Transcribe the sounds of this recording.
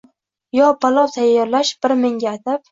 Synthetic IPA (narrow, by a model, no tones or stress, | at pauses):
jɒbalˠɒwt̪ʰajːɒɾlaʃb̥ɪɾmɪŋɡʲaːt̪ʰap